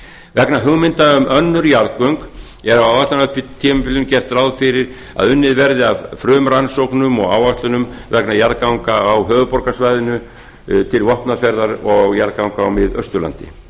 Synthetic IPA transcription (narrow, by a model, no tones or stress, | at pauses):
vɛknaɦʏɣmɪnt̪aʏmʔœnːʏɾjaɾkœŋk | ɛɾawawvat̪anœhpɪt̪ʰimɪpɪlʏncɛr̥t̪rawðfɪɾɪɾ̥ | a̰ðʏnːɪðvɛɾðɪavfɾœːmɾansowknʏmɔɣaːwaht̪lʏnʏmvɛknajaɾkawŋkaːwɦœːvʏpɔɾkasvajðɪnʏ | t̪ʰɪlvɔhpnafɛɾðaɾɔɣjaɾkawŋkaːwmɪðœst̪ʏɾla̰nt̪ɪ̰